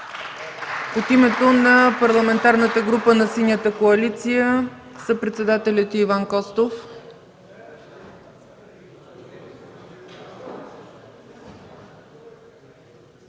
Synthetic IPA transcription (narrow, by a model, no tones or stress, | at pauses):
ot̪imɛt̪onɐpɐɾlˠɐmɛnt̪aɾnət̪əɡɾupənɐsinʲjət̪əkoɐlit̪sijəsəpɾɛt̪sɛd̪at̪ɛlʲət̪ivankɔst̪of